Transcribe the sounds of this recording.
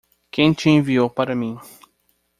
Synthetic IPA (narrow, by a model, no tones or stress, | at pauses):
kẽj̃t͡ʃɪẽviowpaɾɐmĩ